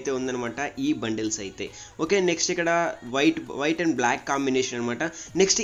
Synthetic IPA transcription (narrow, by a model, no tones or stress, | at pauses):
t̪eond̪ɐnɐmaːʈɐʔiːbɐɳɖelsɐːjit̪ːḛ | oːkeneksʈekɐɽɐʋɐjʈʋɐjʈɐɳɖblaːkːaːmbineːʃɐnɐnmaːʈɐneksʈ